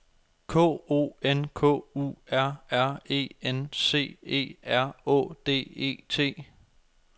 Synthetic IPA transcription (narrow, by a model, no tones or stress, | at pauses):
kʰɔ̰ːo̝̰ːenkʰɔ̰̽ːṵæɐ̰æɐ̰e̝̰ːense̝̰ːe̝̰ːæɐ̰ɔ̰̽ːd̥e̝̰ːe̝̰ːt͡sʰe̝̰ː